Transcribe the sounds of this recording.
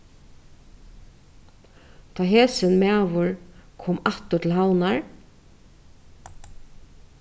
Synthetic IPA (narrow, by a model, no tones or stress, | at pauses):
t̪ʰaːɦɛːsɪnmæːʋʊɹkʰɔːmaht̪ʊtʰɪlɦawnaɹ